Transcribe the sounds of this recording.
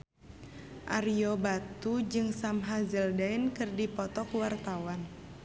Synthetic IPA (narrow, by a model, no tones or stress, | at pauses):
ʔariobat̪ud͡ʒɨŋsamɦazəldainkɨrdipɔt̪ɔkuwart̪awan